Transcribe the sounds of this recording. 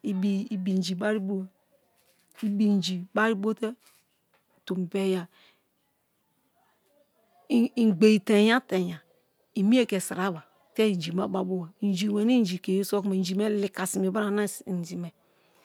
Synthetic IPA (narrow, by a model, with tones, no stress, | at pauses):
i˨bi˨i˨bi˨n˨d͡ʒi˨ba˦ɾi˦bo˦ | i˦bi˨n˨d͡ʒi˨ba˦ɾi˦bo˦te˦˨ | tu˨m˨be˦ja˨ | i˨ɡ͡be˨i˨te˨ja˦te˨ja˨ | i˨mi˦e˦ke˨sa˨ɾa˦ba˨ | te˦˨d͡ʒi˨ma˦ba˨bo˦wa˨˦d͡ʒi˨we˨ni˦n˦d͡ʒi˨ke˨je˦so˦kme˨n˨d͡ʒi˨me˦li˨ka˨si˨mi˨ba˦a˨na˦sn˨d͡ʒi˨me˨